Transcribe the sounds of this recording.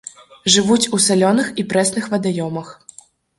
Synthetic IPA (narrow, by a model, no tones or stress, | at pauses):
ʐɨvut͡sʲusalʲɔnɨxipɾɛsnɨxvɐd̪ajɔmɐx